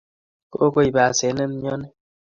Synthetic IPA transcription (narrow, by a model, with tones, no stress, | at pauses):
ko˦ko˦i˨ba˨se˨˦ne˦m̩˦ɲ˦ɔ˦nɛ˦